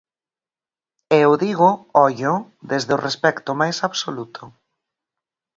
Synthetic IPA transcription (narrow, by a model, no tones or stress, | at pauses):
eʊðiɣʊɔʎʊ | ðezðʊrespɛkt̪ʊmajsaβsolut̪ʰʊ